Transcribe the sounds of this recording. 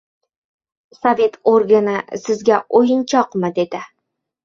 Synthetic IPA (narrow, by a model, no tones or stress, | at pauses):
sovʲe̞t̪oɾɡanɨsɪzɡʲæʔojɨnt͡ʃʰɒqmɪd̪e̞d̪ɪ